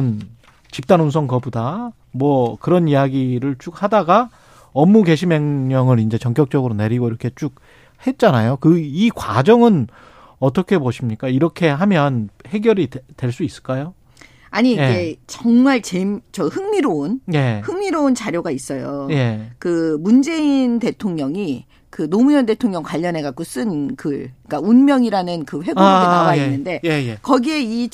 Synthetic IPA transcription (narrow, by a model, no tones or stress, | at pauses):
n | t͡ɕip̚t͈anunsʰʌŋkʌbuda | mwʌkɯɾʌnijaɡiɾɯɭt͡ɕ͈uk̚hadaɡa | ʌmːuke̞ɕʰimeŋɲʌŋɯɾind͡ʑe̞t͡ɕʌŋk͈jʌk̚t͡ɕ͈ʌɡɯɾoneɾiɡoiɾʌkʰe̞t͡ɕ͈uk̚ | he̞t̚t͡ɕ͈anajokɯikwa̰d͡ʑʌŋɯn | ʌt͈ʌkʰe̞boɕʰimɲik͈aiɾʌkʰe̞ɦamjʌnhe̞ɡjʌɾitweɭs͈uis͈ɯɭk͈ajo | aɲie̞t͡ɕʌŋmaɭt͡ɕemt͡ɕʌhɯŋmiɾonje̞hɯŋmiɾount͡ɕaɾjoɡais͈ʌjoje̞kɯmund͡ʑe̞inte̞tʰoŋɲʌŋi | kɯnomuɲʌnde̞tʰoŋɲʌŋkwaʎːʌnɦe̞ɡak͈us͈ɯnkɯɭik͈aunmjʌŋiɾanɯnkɯɸwe̞ɡoonaɡainːɯnde̞jejekʌɡie̞i